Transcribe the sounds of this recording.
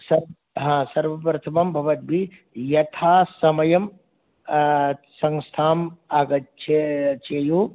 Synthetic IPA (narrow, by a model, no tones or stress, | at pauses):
sɐɾ | ɦãːsɐɾʋɐpɾɐt̪ʰɐmɐmbʱɐʋɐt̪̚bʱi | jɐt̪ʰaːsɐmɐjɐm | sɐ̃ŋst̪ʰaːmaːɡɐt̪̚t͡ʃʰet͡ʃʰeːjuː